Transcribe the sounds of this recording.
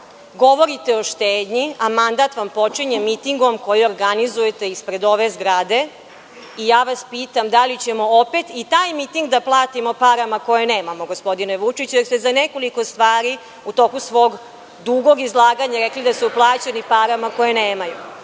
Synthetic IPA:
ɡo̞ʋo̞ɾit̪e̞oʃt̪eːd̪ɲiamand̪at̪ʋampo̞t͡ʂiɲemit̪iŋɡomko̞jio̞ɾɡanizujet̪e̞ispɾe̞d̪o̞ʋe̞zɡɾad̪e̞ | ijaːʋaspiːt̪amd̪alit͡ɕe̞mo̞ope̞t̪it̪ajmit̪iŋɡd̪aplˠaːt̪imo̞paɾamako̞jene̞ːmamo̞ɡo̞spo̞d̪ineʋut͡ʂit͡ɕujeɾst̪ezaneko̞liko̞st̪ʋaːɾi | ut̪o̞kusʋo̞ːɡ | d̪uɡo̞ɡizlˠaːɡaɲaɾeklid̪asuplˠaːt͡ɕenipaɾamako̞jeneːmaju

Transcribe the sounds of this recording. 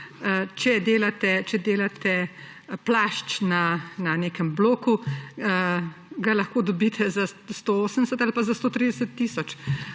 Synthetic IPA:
t͡ʃɛd̪eːlat̪ɛt͡ʃɛd̪eːlat̪ɛ | plaʃt͡ʃnananeːkəmbloːku | ɡalɐxkoːd̪ɔbit̪ʰɛzast̪ooːsənɛsɛt̪alpazast̪oːt̪ɾid̪ɛsət̪ːiːsɔt͡ʃ

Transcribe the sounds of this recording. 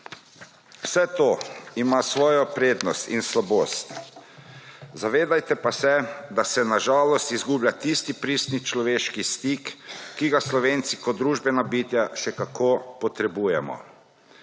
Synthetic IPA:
wsɛt̪oːimasʋɔːjɔpɾeːd̪nɔst̪ḭnslaboːst̪ | zaʋeːd̪ajt̪ɛpasɛd̪asɛnaʒaːlɔst̪izɡublʲjat̪ist̪ipɾiːst̪nit͡ʃlɔʋeːʃkist̪ikːiɡaslɔʋeːnt̪sikɔd̪d̪ːɾuːʒbɛnabiːt̪jaʃɛkakʰoːpɔt̪ɾɛbujɛmɔ̰

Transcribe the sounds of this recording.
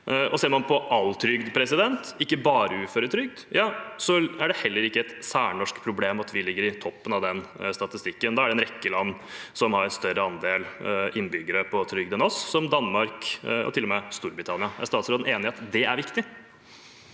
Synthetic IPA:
ʔɔseːɾmɑnpʰɔʔɑlt̪ʰɾʏɡd̪pʰɾɛsɪd̪ɛnt̪ɪkːəbɑːɾəʉːføːɾət̪ʰɾʏɡ̚d̪jɑːsɔæɖɛhɛlːəɾɪkːəɛt̪sæːɳɔʂkpʰɾʊbleːmɑt̪ʋɪlɪɡːəɾɪt̪ʰɔpːənɑʋd̪ɛnst̪ɑt̪ɪst̪ɪkːənɔd̪ɑːæɖɛnɾɛkːəlɑnː | sɔmhɑɾɛnst̪œɾəɑnd̪eːlʔɪnːbʏɡːəɾəpʰɔt̪ʰɾʏɡd̪ɛnɔsːɔmd̪ɑnːmɑɾkɔ̰t̪ʰɪlːɔmɛst̪uːɾbɾɪt̪ʰɑnɪɑæ̰ʂst̪ɑːt̪sɾoːd̪n̩eːnɪɑt̪d̪ɛæɾʋɪkt̪ɪ

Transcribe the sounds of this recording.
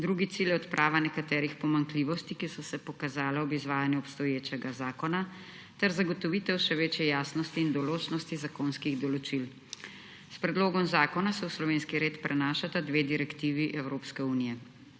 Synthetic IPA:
d̪ɾuːɡit̪siljɛɔt̪pɾʔaːʋanɛkat̪ɛːɾixpɔmaŋkliʋɔst̪ikisɔsɛpɔkazaːlaɔbizʋaːjanjuɔpst̪ɔjeːt͡ʃɛɡazaːkɔna | t̪ɛɾzaɡɔt̪ɔʋit̪ɛwʃɛʋeːt͡ʃjɛjaːsnɔst̪iːnd̪ɔloːt͡ʃnɔst̪izakoːnskiɣd̪ɔlɔt͡ʃil | spɾɛd̪loːɡɔmzaːkɔnasɛwslɔʋeːnskiɾeːt̪pɾɛnaːʃat̪ad̪ʋeːd̪iɾɛkt̪iʋiʔɛwɾoːpskɛuːnijɛ

